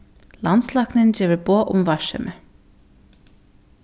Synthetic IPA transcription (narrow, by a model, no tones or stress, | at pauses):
lɑnslɑːknɪnd͡ʒeːʋəɾboːʔʊ̰mvɑʃɛ̰mʔə